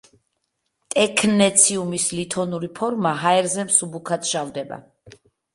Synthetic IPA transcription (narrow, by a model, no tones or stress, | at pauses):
t̪ʼɛkʰnɛt̪sʰiumislit̪ʰɔnuɾipʰɔɾmaɦaɛɾzɛmsubukʰat̪ʃavd̪ɛba̰